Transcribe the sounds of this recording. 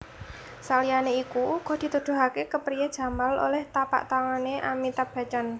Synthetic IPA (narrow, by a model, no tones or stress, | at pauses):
salijaneikuɡ̥ɔ̤d̪̥i̤t̪ud̪̥ṳɦakekəpɾijad̥ʒ̥ä̤malo̰lɛht̪apa̰ʔt̪aŋaneʔamit̪ab̥ä̤t͡ʃan